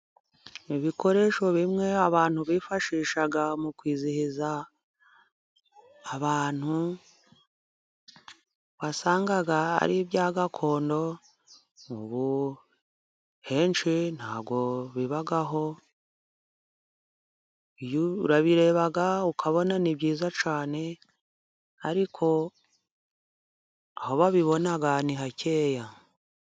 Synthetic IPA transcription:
iβikʰo̞ɾe̞ːʃo̞βimŋe̞aβaːn̥huβifaʃiːʃaɡamukwiːzihiza | aβaːn̥hu | βasaːŋɡaɡaa̰ɾiβjaːɡakʰo̞ːndo̞ | uβu | he̞ːnt͡ʃin̥haːβɡo̞βiβaɡaɦo̞ | ijuɾaβiɾe̞ːβaɡaukʰaβo̞naniβɟiːzat͡ʃaːne̞ | a̰ɾikʰo̞ | ahoβaβiβo̞naɡaniɦacʰe̞ːja

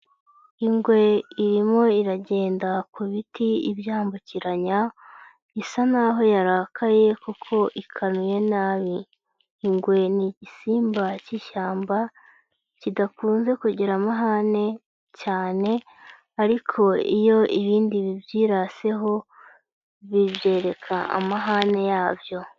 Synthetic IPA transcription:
iŋɡwe̞iɾimo̞iɾaɟe̞ːndakuβitiḭbjaːmbuciɾaɲa | isanaɦo̞jaɾaːkʰaje̞kukʰo̞ʔikʰanuje̞naːβiː | ŋɡwe̞niɟisiːmbaciʃaːmba | cidakuːnze̞kuɟiɾamaɦane̞ | caːne̞ | aɾikʰo̞ḭjo̞iβiːndiβibjiːɾase̞ɦo̞ | βiβje̞ːɾe̞kʰaa̰maɦane̞jaːvjo̞

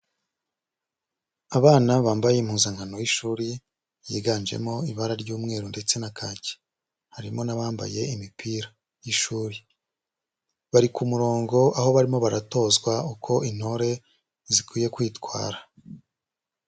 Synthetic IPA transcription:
aβaːnaβaːmbaje̞im̥huːzaŋhano̞jiʃuːɾi | jiːɡaːnd͡ʒḛmo̞iβaɾaɾɟuːmŋe̞ːɾonde̞t͡se̞nakʰaːce̥ | haɾimo̞naβaːmba̰je̞imipʰiːɾḁ | jiʃuːɾi | βaɾikumuɾo̞ːŋɡo̞aho̞βaɾimo̞βaɾato̞ːzɡwaukʰo̞ʔin̥ho̞ɾe̞ | zikwiːje̞kwiːtkwa̰ːɾa

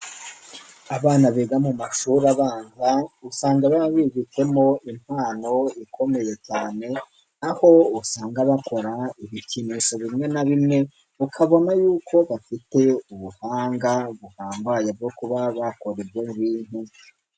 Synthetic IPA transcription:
aβaːnaβeɡamumaʃuɾaβaːŋɡausaːŋɡaβaβiβike̞mo̞im̥haːno̞ikʰo̞me̞je̞caːne̞ | naho̞usaːŋɡaβako̞ɾaiβiciniso̞βimŋe̞naβimŋe̞ | ukʰaβo̞najuːkʰo̞βafite̞uβuhaːŋɡaβuhaːmbajebɟo̞kuβaβako̞ɾebɡeuβiːn̥hu

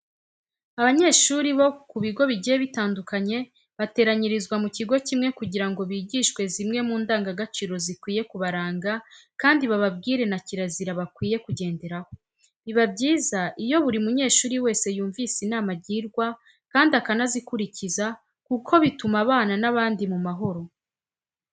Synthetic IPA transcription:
aβaɲe̞ːʃuːɾiβo̞kuβiɡo̞βiɟijeβitaːndukaɲe̞ | βate̞ːɾaɲiɾizɡwamuciɡo̞cimŋe̞kuɟiɾaŋɡo̞βiːɟiːʃwe̞zimŋe̞muːndaːŋɡaɡat͡ʃiːɾo̞zikwiːje̞kuβaɾaːŋɡakaːndiβaβab̚ɡiːɾe̞naciɾaziɾaβakwiːje̞kuɟe̞ːnde̞ɾaho | βiβabɟiːzaʔijo̞βuɾimuɲe̞ːʃuːɾiwe̞ːse̞juːɱviːsinaːmaɾɟiːɾɡwa | kaːndiakanazikuɾiciza | kukʰo̞βitumaβaːnanaβaːndimumaɦo̞ɾo̞

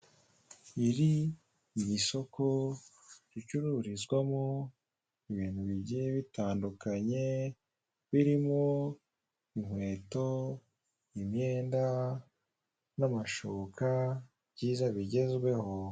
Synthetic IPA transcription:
iɾi | miso̞ko | jit͡ʃuɾuɾizɡwamo | iβiːn̥huβiɟieβitaːndukaɲe̞ | βiɾimo | im̥we̞ːto̞ | imɲe̞ːnda | namaʃoβkʰa | bɟiːzaβiɟe̞zɡwe̞ho

